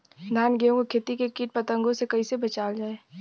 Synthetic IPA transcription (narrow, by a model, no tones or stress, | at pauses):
d̪ʱaːnɡeũkʰeːt̪ikekiːʈ̚pɐt̪ə̃ŋɡõsekɐisebɐt͡ʃaːld͡ʒaːeː